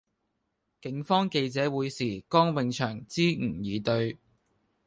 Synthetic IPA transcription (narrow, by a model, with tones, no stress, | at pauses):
kɪ˨˥ŋfɔː˥ŋke˧jt͡sɛː˨˥wuː˨˧jsiː˨˩kɔː˥ŋwɪ˨˧ŋt͡ʃʰœː˨˩ŋt͡siː˥ŋ̩˨˩jiː˨˧t̪ɵ˧ɥ